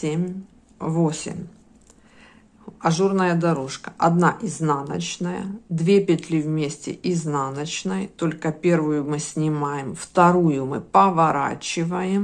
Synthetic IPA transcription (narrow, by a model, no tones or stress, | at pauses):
emʲ | vosʲɪ̰mʲ | ɐʐurnəjəd̪ɐɾoʂkə̥ʔɐd̪naʔiznanət͡ɕnəjə̰d̪vʲepʲɪt̪ʲlʲivmʲesʲtʲɪ̰ʔiznanət͡ɕnɨjt̪o̞lʲkəpʲe̞rvʊjʊmɨsʲnʲɪmajɪmft̪ɐɾujʊmɨ̰pəvɐɾa̰t͡ɕɪvəjɪm